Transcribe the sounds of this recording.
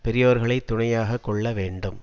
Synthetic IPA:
pɛɾɪjoːɾɣɐɭɐɪt̪ːʊɳɐjaːɣɐkːɔɭːɐʋeːɳɖɯm

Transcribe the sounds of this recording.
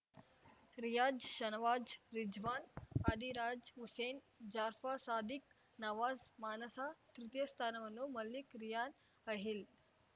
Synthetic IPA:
ɾijaːd͡ʒʃənʋaːd͡ʒɾid͡ʒʋaːnad̪iɾaːd͡ʒɦusen | d͡ʒaːɾfasaːd̪ik̚ | naʋaːzmaːnəsat̪ɾut̪jəst̪ʰanɐʋənːumɐlːikɾijaːn | əɦil

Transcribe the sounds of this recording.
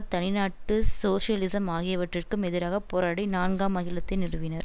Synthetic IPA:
t̪ɐnɪnaːʈːɯsoːʂɪjɐlɪsɐmaːɣɪjɐʋɐʈrɪrkɯmɛðɪɾaːɣɐpoːɾaːɽɐɪnaːɳɡaːmɐɣɪlɐt̪ːɪnɪrɯʋɪnɐɾ

